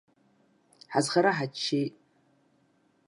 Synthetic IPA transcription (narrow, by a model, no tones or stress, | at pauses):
ħazχaɾaħat͡ʃʰːejtʼ